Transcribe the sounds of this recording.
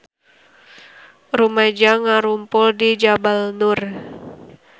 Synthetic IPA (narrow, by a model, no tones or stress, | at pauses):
rumad͡ʒaŋaɾumpʊldid͡ʒabalnur